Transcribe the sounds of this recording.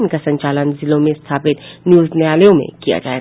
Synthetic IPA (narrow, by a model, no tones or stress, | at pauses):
nkasɐ̃ɲt͡ʃaːlənzɪlõmẽɪst̪ʰaːpɪt̪njuːzneaːljõmḛ̃kija̰d͡ʒa̰ːeɡ